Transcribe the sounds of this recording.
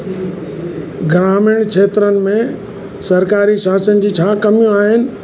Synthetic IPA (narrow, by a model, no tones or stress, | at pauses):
ɡɾaːmɪːɽ̃kʰeːt̪ɾənɪ̆mẽ | sɐɾkaːɾiʃaːsənɪ̆d͡ʑiːt͡ɕʰaːkɐmjũaːɦɪnɪ̆